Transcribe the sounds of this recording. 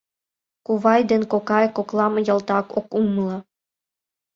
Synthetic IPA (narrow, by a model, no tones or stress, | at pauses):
kuβɑjd̪enkokɑjkoklˠɑmɤ̆jɤ̆lt̪ɑkokumlˠɑ